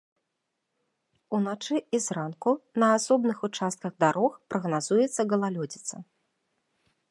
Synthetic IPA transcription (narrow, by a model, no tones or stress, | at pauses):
unat͡ʂɨizrankunɐːsɔbnɨxut͡ʂast̪̚kɐɣd̪aɾɔxpɾɐɣnazujɛt̪sːɐɣɐlˠalʲɔd͡zʲit̪sɐ